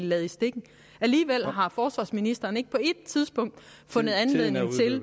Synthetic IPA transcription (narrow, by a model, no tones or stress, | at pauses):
lɛːð̩ˠisd̥e̝ɡ̥ŋ̩ | æliːʋel̰ɦɑ̈fɒːsʋɑ̈ːsminisd̥ɐːne̝ɡ̥̚pʰɒ̽e̝d̥t͡sʰið̞ˠsb̥ɔ̽ŋ̰d̥ | fɔ̽nəð̞̩ˠænleð̰ˠne̝ŋt͡sʰe̝l